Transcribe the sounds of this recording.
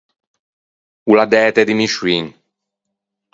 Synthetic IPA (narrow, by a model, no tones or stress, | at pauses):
ulad̪ɛːt̪ed̪imiʃwin